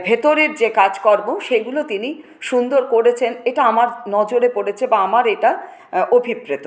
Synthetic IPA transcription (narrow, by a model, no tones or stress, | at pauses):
bʱet̪oɾeɾd͡ʑekad͡ʑkɔɾboʃeɡulot̪ini | ʃund̪oɾkoɾet͡ɕʰeneʈaamaɾnɔd͡ʑoɾepoɽet͡ɕʰebaamaɾeʈa | obʱibɾet̪o